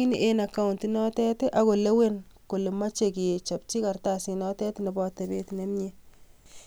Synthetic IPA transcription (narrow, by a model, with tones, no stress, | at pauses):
i˦ni˨ʔe˦na˨ka˦u˨nti˦nɔ˦tɛ˦te˦ʔa˦ko˨le˦we˦nko˨le˨ma˦t͡ʃe˨ki˨e˨t͡ʃɔ˨p̚t͡ʃi˦ka˨ɾta˨si˨nɔ˦tɛ˦tnɛ˨bɔ˦tɛ˨be˦tne˦mɲe˦